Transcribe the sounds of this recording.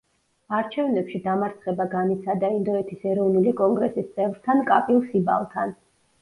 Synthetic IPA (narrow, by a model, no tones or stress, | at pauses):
aɾt͡ʃʰɛvnɛpʃid̪amaɾt̪sʰχɛbaɡanit̪sʰad̪aind̪ɔɛt̪ʰisɛɾɔvnulikʼɔŋɡɾɛsist̪sʼɛvɾt̪ʰankʼapʼilˠsiba̰lˠt̪ʰan